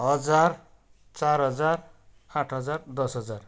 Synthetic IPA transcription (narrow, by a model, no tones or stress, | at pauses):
ɦʌd͡zar | t͡sarɦʌd͡zar | ãʈʰɦʌd͡zard̪ʌsɦʌd͡zar